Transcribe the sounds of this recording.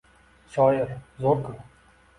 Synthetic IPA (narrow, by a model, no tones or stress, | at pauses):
ʃɒjɪɾzoɾkʰʊɾ